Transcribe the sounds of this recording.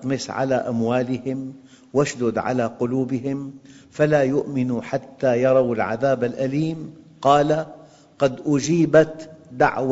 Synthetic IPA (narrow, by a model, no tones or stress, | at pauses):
t̪mɪsʕa̰laʔamwaːlɪhɪm | waʃd̪ʊd̪ʕa̰laqʊluːbɪɦɪmfalaːjʊʔmɪnuħat̪ːajɑɾˤɑwalʕa̰ðaːbalʔaliːmqɑːla | qɑd̪ʔʊd͡ʒiːbat̪d̪a̰ʕw